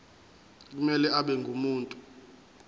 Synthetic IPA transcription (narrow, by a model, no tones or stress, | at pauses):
k̬umɛlɛʔaɓɛŋʱumuːntʼu